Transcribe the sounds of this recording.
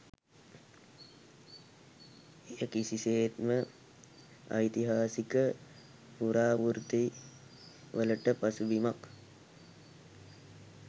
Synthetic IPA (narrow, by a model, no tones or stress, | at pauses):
ejəkisiseːt̪mə | a̰jt̪iɦaːsikə | puɾaːʋuɾt̪i | ʋələʈəpɐsubimak